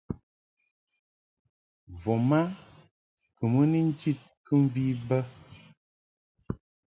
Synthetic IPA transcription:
vɔ˨ma˦ | kɨ˨mə˦ni˦n̩˦t͡ʃi˦˨t̚kə˦ɱ˦vi˦bə˦

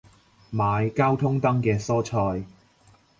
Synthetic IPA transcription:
maː˨˧jkaː˥wt̪ʰʊ˥ŋt̪ɐ˥ŋkɛː˧sɔː˥t͡ʃʰɔː˧j

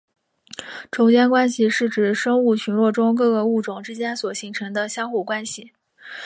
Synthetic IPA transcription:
ʈ͡ʂo˧˥ʊt͡ɕjɛ˥nkwa˥nɕi˨ʂɻ̩˥˩ʈ͡ʂɻ̩˨˩ʂɤ˥ŋu˥˩t͡ɕʰy˧˥nlwɔ˥˩ʈ͡ʂʊ˥ŋk̬ɤ˥˧ɡə˧u˥˩ʈ͡ʂʊ˨˩ŋʈ͡ʂɻ̩˥t͡ɕjɛ˥nswɔ˨˩ɕi˧˥ŋʈ͡ʂʰɤ˧˥ŋd̪ə˧ɕjɑ˥ŋxu˥˩kwa˥nɕi˨˩

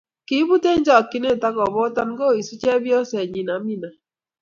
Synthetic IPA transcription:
ki˦βu˦te˦ɲd͡ʒɔ˨kːi˦ne˦˨ta˦kɔ˨βɔ˦ta˦n˦ɡo˦˨i˨si˦t͡ʃɛ˦βjɔ˦sɛ˨ɲi˨na˨˦mi˦na˨

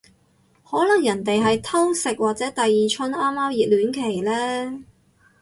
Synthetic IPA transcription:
hɔː˨˥lɐ˨˩ŋjɐ˨˩nt̪e˨jɦɐ˨jt̪ʰɐ˥wsɪ˨k̚waː˨k̚t͡sɛː˨˥t̪ɐ˨jːiː˨t͡ʃʰɵ˥naː˥mːaː˥mjiː˨t̚lyː˨˥nkʰe˨˩jlɛː˥

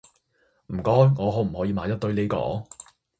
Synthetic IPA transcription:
m̩˨˩kɔː˥jŋɔː˨˧ɦɔː˨˥m̩˨˩hɔ˨˥jiː˧maː˨˧˥j̪ɐ˥t̚t̪ɵ˧ɥle˨˧jkɔ̰ː˨˥

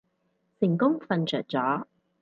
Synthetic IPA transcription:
sɪ˨˩ŋkʊ˥ŋfɐ˨˧nt͡ʃʰœː˨˩t̚t͡sɔː˨˥

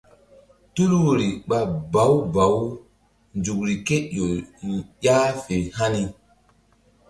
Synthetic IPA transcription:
tu˦lwo˨ɾi˨ɓa˨ba˨˦wba˨˦w | nd͡ʒu˨k̚ɾi˨ke˦jo˨ja˦fe˨ha˦ni˨

